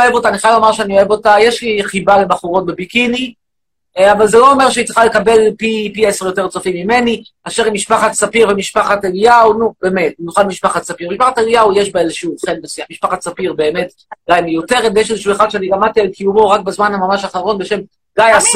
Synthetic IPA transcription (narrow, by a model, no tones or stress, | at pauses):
oevo̞taniχajavlomaʁʃeanioe̞vo̞tajeʃliχibale̞baχuʁo̞t̚bebikini | avalzelo̞ːme̞ʁʃeit̪χalekabe̞lpipieseʁjo̞te̞ʁt͡sofimːime̞ni | aʃeʁimiʃpaχat͡sapiʁvemiʃpaχatelijaunubeːme̞t̚nuχalmiʃpaχat͡sapiʁmiʃpaχateɡijaujeʃbaezeʃuχennosiamiʃpaχat͡sapiʁbe̞ːme̞t | ɡajmejo̞te̞ʁedjeʃezeʃueχad̥̪ʃɛaniɡamat̪ialkʰijumo̞ʁak̚bazmanamamaʃaχaʁo̞nbeʃe̞m | ɡajas